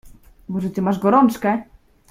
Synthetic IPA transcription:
mɔʐɛt̪ɘmaʐɡɔɾɔnt͡ʂkɛ

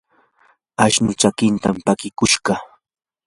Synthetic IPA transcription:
aʃnʊt͡ʃakɪnt̪ampakɪkʊʃɢɑ

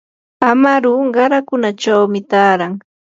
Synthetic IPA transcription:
amaɾʊɢɑɾakʊnat͡ʃawmɪt̪aːɾaŋ

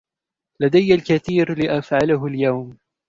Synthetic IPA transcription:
lad̪ajːalkaθiːɾlɪʔafʕalaɦʊljawm

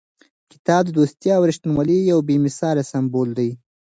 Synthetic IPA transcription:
kɪ̥t̪ɑb̚d̪əd̪ost̪jɑːwɾɪʃt̪nwalijawbemɪsɑlasambold̪aj

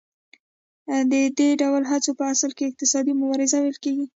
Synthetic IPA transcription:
d̪əd̪eɖawlɦat͡sopəasəlkeɪq̚t̪ɪsɑd̪imʊbɑɾɪzawajlkeɡi

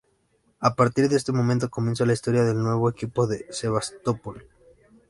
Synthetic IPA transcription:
apaɾt̪iɾðeest̪e̞mõ̞mẽnt̪o̞ko̞mje̞ns̬olaist̪o̞ɾjaðe̞lnwe̞β̞o̞ekipo̞ðe̞se̞βast̪o̞pol

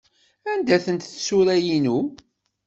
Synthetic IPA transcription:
ænd̪æθənt̪θsuɾæjinu

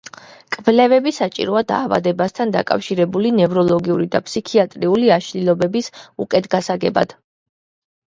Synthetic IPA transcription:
kʼvlɛvɛbisat͡ʃʼḭɾɔad̪a̰ːva̰d̪ɛbast̪ʰand̪a̰kʼa̰fʃiɾɛbulinɛvɾɔlˠɔɡiuɾid̪a̰pʰʼsikʰiat̪ʼɾiuliaʃlilˠɔbɛbisṵkʼɛd̪ɡasaɡɛba̰d̪̥

